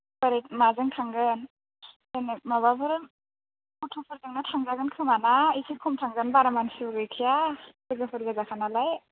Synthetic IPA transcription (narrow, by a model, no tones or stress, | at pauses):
bəɾet̚mazɯŋtʰaŋɡɯn | enemababʰɯɾɯ | utʰɔpʰɯɾzɯŋnatʰaŋzaɡɯnkʰɯmanaikʰikʰɔmtʰaŋɡɯnbaɾamansɯbɡɯjkʰijasɯɡɯpʰɯɾɡazakʰanalaj